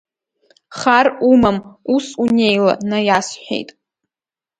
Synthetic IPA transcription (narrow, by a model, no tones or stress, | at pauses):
χarumamusune̞jla̰najasħʷᶣḛjtʼ